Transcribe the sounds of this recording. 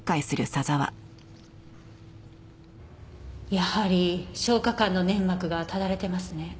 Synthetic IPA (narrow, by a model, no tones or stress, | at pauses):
kːaisɨɾɯ̟sazaβa̰ | jahaɾʲiɕo̞ːkakãnːo̞nẽ̞ŋɡakɯ̟ɡat̪ad̪aɾe̞t̪e̞masɨne̞